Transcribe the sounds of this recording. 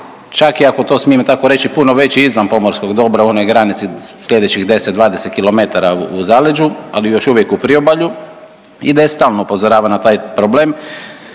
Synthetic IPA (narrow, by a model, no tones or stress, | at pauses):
t͡ʃakiako̞t̪o̞ːsmiemt̪ako̞ɾe̞t͡ʃipunoʋe̞t͡ɕiizʋanpo̞moɾsko̞ɡd̪o̞bɾauo̞no̞jɡɾanit̪sisʎʲe̞d̪et͡ɕiɣd̪e̞sed̪ʋaːd̪eset̪̚kilo̞me̞t̪aɾauuzaled͡ʒualijo̞ʃuʋjekupɾiobaʎu | id̪ajest̪aːlnoupo̞zoɾaːʋanat̪aːjpɾobleːm